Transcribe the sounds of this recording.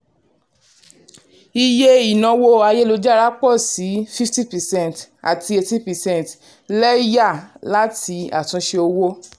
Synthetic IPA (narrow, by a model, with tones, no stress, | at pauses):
i˧je˦i˨nã˨˧wo˧a˧je˦lo˧d͡ʒa˦˧ɾa˦k͡pɔ˦˨si˨˦fi˦fti˦pɛ˨sɛ̃˦˨nta̰˨ti˧e˧ti˦pɛ˨sɛ̃˦˨n˨t | lɛ˦i˦ja˦˨la˦ti˧a˨tũ˧ʃe˧o˧wo˦